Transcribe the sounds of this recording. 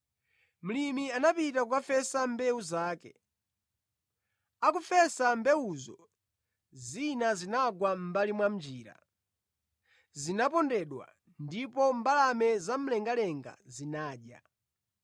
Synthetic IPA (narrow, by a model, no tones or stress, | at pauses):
m̩limianapitakukafɛsambɛuzaːkɛ̰ | akufɛsambɛuzɔ̰ | zinazinaɡwam̩balimwam̩d͡ʒiːɾa̰ | zinapɔndɛɗwa̰ | ndipɔmbalamɛzam̩lɛŋɡalɛŋɡa̰zinaːɗja̰